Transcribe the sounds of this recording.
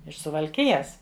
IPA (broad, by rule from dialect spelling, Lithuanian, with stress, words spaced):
ɪʃ sʊʋɐlʲˈkʲɪjɛs